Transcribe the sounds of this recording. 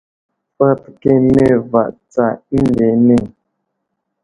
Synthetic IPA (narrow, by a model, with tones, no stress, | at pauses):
fə˦tke˦˨ne˦˨va̰˨ʔt͡sa˦˨i˦n˦de˨˦ne˦˨ŋ